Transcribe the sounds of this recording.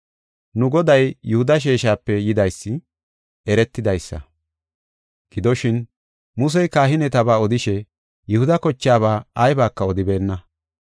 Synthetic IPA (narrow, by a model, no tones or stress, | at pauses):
nʊɡɔd̪ɐjjʊhʊd̪ɐʃ̬eːʃaːpːɛjɪd̪ɐjsːɪ | ɛɾɛt̪ːɪd̪ɐjsːɐ̰ | ɡ̥ɪd̪ɔʃɪn | mʊs̬ɛjkaːɦɪnɛt̪ɐbaːɔd̪ɪʃɛ | jʊhʊd̪ɐkɔt͡ʃːɪaːβaːjbaːkːɐɔd̪ɪbe̞ːnːɐ